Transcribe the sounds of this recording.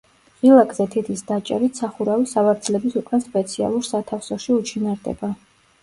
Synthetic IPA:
ʁilˠakʼzɛt̪ʰit̪ʰisd̪at͡ʃʼɛɾit̪sʰaχuɾavisavaɾd̪zlɛbisukʼɛnspʼɛt̪sʰia̰lˠuɾsat̪ʰafsɔʃiut͡ʃʰinaɾd̪ɛ̰ba

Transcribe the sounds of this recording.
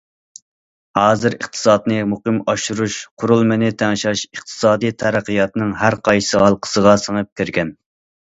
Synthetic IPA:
hɑːzɨɾə̰χt̪ʰɨ̥sɑːd̪nɨmuqɨmɑʃuɾuʃqʰʊɾulˠmɪnɪt̪ʰæŋʃɑʃəχt̪ʰɨ̥sɑːd̪ijt̪ʰæɾæqʰijɑt̪ɨnɨŋɦæɾqʰɑjsɨhɑlˠqʰə̥səʁɑsəŋɨp̚kʲʰeɾɡʲɛn

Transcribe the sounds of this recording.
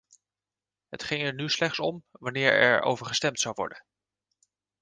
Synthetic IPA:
ɦətχɪŋɛɹnyslɛχtsɔmʋɑnɪːɹɛ̰ɹo̰wvəɹχəstɛmtsɑwʋɔ̰ɹdən

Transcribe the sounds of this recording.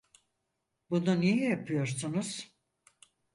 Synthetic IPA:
bununijɛjapʰɯjo̞ɾsunuz̥

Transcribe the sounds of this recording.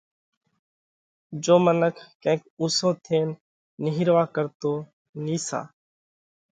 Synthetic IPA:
d͡ʒoːmənəkʰkə̃ːkuːsõːt̪ʰeːnː | ɪɦɪɾʋaːkəɾt̪oː | niːsa̰ː

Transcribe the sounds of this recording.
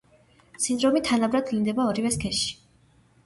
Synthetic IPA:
sind̪ɾɔmit̪ʰanabɾad̪lind̪ɛbaɔɾivɛskʰɛʃi̥

